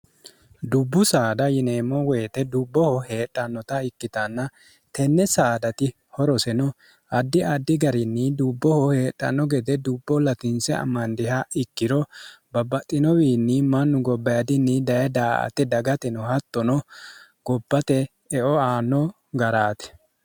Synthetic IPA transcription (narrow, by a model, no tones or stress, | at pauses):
d̪ʊbːʊsaːd̪ɐjɪneːmːɔwe̞ːt̪ɛd̪ʊbːɔhɔhe̞ːᶑʼɐnːɔt̪ɐɪkːɪt̪ɐnːɐ | t̪ɛnːɛsaːd̪ɐt̪ɪ | hɔɾɔsɛnɔ | ɐd̪ːɪɐd̪ːɪɡɐɾɪnːɪd̪ʊbːɔhɔhe̞ːᶑʼːɐ̰nːɔɡɛd̪ɛd̪ʊbːɔlɐt̪ɪnsɛɐ̰mːɐnd̪ɪhɐɪkːɪɾɔbɐbɐt̪ʼːɪnɔwiːnːɪmɐnːʊɡɔbːɐjɐd̪ɪnːɪd̪ɐjɐd̪aːʔɐ̰t̪ɛd̪ɐɡɐt̪ɛnɔhɐt̪ːɔnɔɡ̥ɔbːɐt̪ɛː | ʔɔaːnːɔ | ɡɐɾaːt̪ɛ̥